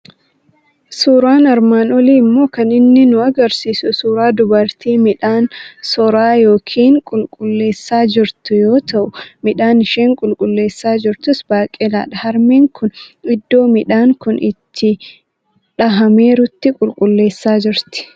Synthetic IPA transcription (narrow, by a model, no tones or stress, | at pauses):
suːɾaːnɐɾmaːnɔliːmːo̞ːkɐnɪnːɪnʊɐɡɐɾsiːsʊsuːɾaːd̪ʊbɐɾt̪iːmɪᶑaːnsɔɾaːjo̞ːkʰiːŋkʼʊlkʼʊlːe̞ːsːaːd͡ʒɪɾt̪ʊjo̞ːt̪ɐʔʊmɪᶑaːnɪʃeːŋkʼʊlkʼʊlːe̞ːsːaːd͡ʒɪɾt̪ʊsbaːkʼɛla̰ːᶑɐhɐɾmeːŋkʰʊnɪd̪ːo̞ːmɪᶑaːŋkʊnʔɪ̰t̪ʰːɪ | ᶑɐɦɐme̞ːɾʊt̪ːɪkʼʊlkʼʊlːe̞ːsːaːd͡ʒɪɾt̪ɪ̥